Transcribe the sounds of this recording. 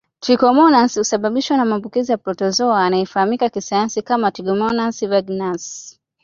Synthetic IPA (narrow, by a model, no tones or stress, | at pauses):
tɾikɔmɔnanshusaɓaɓiʃwanamambukizijapɾɔtɔzɔaːnaifahamikakisajansikamatɾiɡɔmɔnansivaɡnas